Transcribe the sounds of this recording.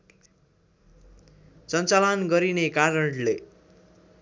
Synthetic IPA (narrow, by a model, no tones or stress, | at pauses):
sʌnt͡salʌnɡʌɾinekaɾʌɳle